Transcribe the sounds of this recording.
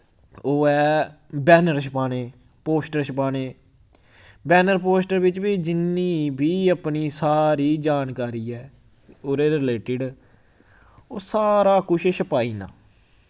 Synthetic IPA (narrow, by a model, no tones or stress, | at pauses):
oːɛːbɛːnəɾʃpaːneː | poːsʈəɾʃəpaːneː | bɛːnəɾpoːsʈəɾʋɪt͡ʃbiːd͡ʒɪniːbʱiːəpniːsaːɾiːd͡ʒaːnkaːɾiːɛː | oːɾeːɾɪleːʈɪɖ | oːsaːɾaːkʊʃʃəpaːiːna̰ː